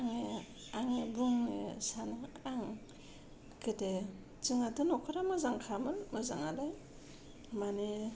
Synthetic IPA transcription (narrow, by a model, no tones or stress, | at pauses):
aŋe | aŋebuŋnḛsanɯaŋ | kɯte | t͡ʃɯŋadɯnɔkʰɯɾamazaŋkʰamɯnmɯzaŋalaj | mani